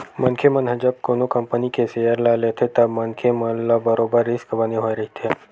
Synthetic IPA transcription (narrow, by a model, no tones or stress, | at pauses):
mənkʰemənɦəd͡ʒəb̚konokəmpənikesejəɾlalet̪ʰet̪əbmənkʰemənlabəɾobəɾːɪskbəneɦoeɾɐɦit̪ʰe